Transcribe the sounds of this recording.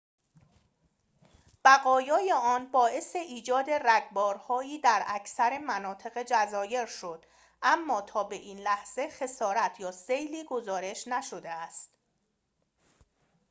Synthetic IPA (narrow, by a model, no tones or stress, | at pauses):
b̥æɣɒːjɒːje̞ɒːnbɒːʔe̞se̞ʔiːd͡ʒɒːd̪e̞ræɡbɒːɾhɒːiːd̪æɾʔæcʰsæɾe̞mænɒːt̪ʰe̞ɣed͡ʒæzɒːje̞ɾʃod̪̥ | ʔæmːɒːt̪ʰɒːbe̞ʔiːnlæhz̥e̞xe̞sɒːɾæt̪ʰjɒːsejliːɡo̞zɒːɾe̞ʃnæʃo̞d̪e̞æst̪